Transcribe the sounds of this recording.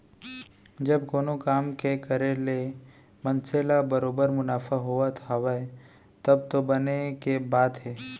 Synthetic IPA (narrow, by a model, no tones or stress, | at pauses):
d͡ʒɐbkoːnokaːmkekəɾele | mɐ̃nselabəɾoːbəɾmʊnaːfaɦuat̪ʰaʋae | t̪ɐb̚t̪obɐnekebaːd̪ɦɛː